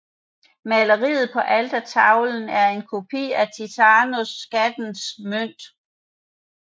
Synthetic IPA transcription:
mæləʁḭːð̩ˠpʰɒ̽ʔæld̥æt͡sʰɑ̈ʊln̩æɐe̝nkʰo̝pʰḭːæt͡sʰit͡sʰɑːnosɡ̥æd̥n̩smøn̰d̥

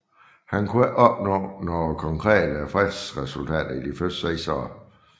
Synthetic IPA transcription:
hænkʰuæʔɒ̽b̥nɔ̰ːnɒkʰɒ̽ŋkʰʁɛ̰ːd̥əfʁɛd̥sʁɛsult͡sʰɛ̰ːd̥ɐid̥ifød̥seɪsɒːɐ

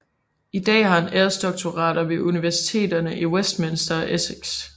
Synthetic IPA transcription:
id̥ɛ̰ːhɑ̈eneɐsd̥ɒ̽ɡ̥̚t͡sʰo̝ʁɑ̰̈ːdɐʋe̝ʔuniʋæɐsi̥t͡sʰe̝̰ːd̥ɐnəʔiwesd̥̚mensd̥ɐʔesiɡ̥s

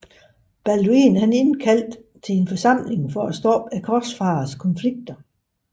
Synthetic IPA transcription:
b̥æluinhæne̝nn̩kʰæl̰d̥ | t͡sʰe̝le̝nfɒ̽sɑ̈m̰le̝ŋfɒæsd̥ɒ̰ːb̥ækʰɒsfɑ̈ːskʰɒ̽nfliɡ̥̚d̥ɐ

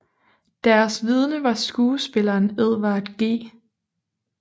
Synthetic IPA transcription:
d̥æɐsʋið̞ˠnəʋɑ̈sɡ̥uːsb̥e̝lɐːneð̰ˠʋɑ̈æd̥ɡ̥e̝̰ː

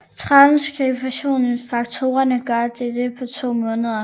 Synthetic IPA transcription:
t͡sʰʁɑ̈nskʰefæɕo̝̰ːn̩fɑ̈ɡ̥̚t͡sʰo̝ːɐnəɡ̥ɶɐd̥ed̥əpʰɒ̽t͡sʰo̝̰ːmɔ̽ːnəð̞ˠɐ

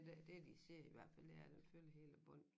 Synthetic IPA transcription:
d̥ed̥ed̥ise̝ɐ̰iʋæɐ̰d̥fæl̰d̥eæɐd̥enføːləɦe̝ːləb̥ɔ̽n̰

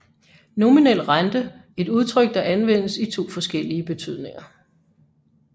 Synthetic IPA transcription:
no̝minel̰̥ʁand̥əe̝d̥uð̞ˠt͡sʰʁœɡ̥̚d̥ɑ̈ʔænʋen̰əsit͡sʰo̝̰ːfɒ̽sɡ̥el̰iəb̥e̝t͡sʰyð̞̰ˠne̝ŋɐ

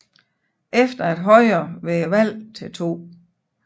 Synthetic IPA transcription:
ʔefd̥ɐed̥ɦɒ̽ɪɐːʋeʋæl̰t͡sʰe̝lt͡sʰo̝̰ː

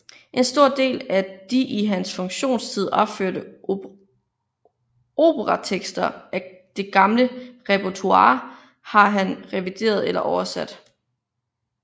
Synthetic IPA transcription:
ʔe̝nsd̥o̝ɐ̰d̥e̝̰ːlæd̥iʔiɦænsfɔ̽ŋɕo̝̰ːnst͡sʰið̞̰ˠɒ̽b̥føɐ̰d̥ə | o̝̰ːb̥əʁɑt͡sʰeɡ̥sd̥ɐʔæ | d̥e̝ɡ̥ɑ̈mləʁɛpɐt͡sʰuɑ̰̈ː | hɑ̈ɦænʁɛʋid̥e̝̰ːɐð̞ˠelɐʔɒʊɐsæd̥

